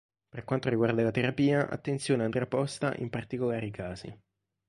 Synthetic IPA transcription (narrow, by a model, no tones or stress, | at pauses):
perkwant̪oɾiɡward̪alat̪eɾapiːaʔa̰t̪ːent̪sjoːneand̪ɾeapɔst̪a̰ʔḭmpart̪ikolaːɾikʰaːzḭ